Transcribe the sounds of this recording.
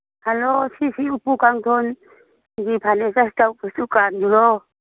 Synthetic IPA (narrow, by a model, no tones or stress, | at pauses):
halosʰisiupukaŋt̪ʰon | ŋɡipʰanɛsasi̥tʼaupusukandulɔ